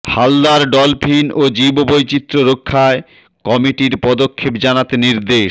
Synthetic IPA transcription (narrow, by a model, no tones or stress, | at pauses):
hald̪aɾɖɔlpʰinod͡ʑibobojt͡ɕit̪ːɾoɾokʰːae | kɔmiʈiɾpɔd̪okʰːepd͡ʑanat̪eniɾd̪eʃ